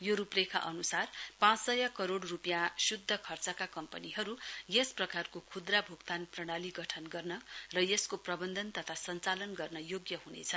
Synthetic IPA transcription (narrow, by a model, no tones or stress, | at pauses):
joɾuprekʰa̰ʔʌnusarpãt͡ssʌjakʌɾoɽrupjãsud̪ʱːʌkʰʌrt͡sʌkakʌmpʌniɦʌɾujesprʌkarkokʰud̪rabʱukt̪anprʌɽ̃aliɡʌʈʰʌnɡʌrnʌrʌjeskoprʌbʌnd̪ʱʌnt̪ʌt̪ʰasʌnt͡salʌnɡʌrnʌjoɡjʌɦunḛt͡sʰʌ